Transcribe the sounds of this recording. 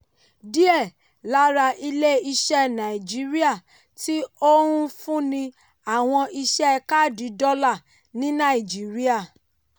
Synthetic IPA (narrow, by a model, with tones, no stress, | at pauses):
di˦ɛ˦˨ | la˦ɾa˧ʔi˧le˦i˧ʃɛ˦nã˨i˨d͡ʒi˨˦ɾi˦a˦˨ | ti˦o˦ɾũ˦fũ˦nĩ˧ | a˨w̃ɔ̃˧ʔi˧ʃɛ˦˧ka˦˨di˨˦dɔ˦la˦˨ | nĩ˦nã˦˨i˨d͡ʒi˨˦ɾi˦a˦˨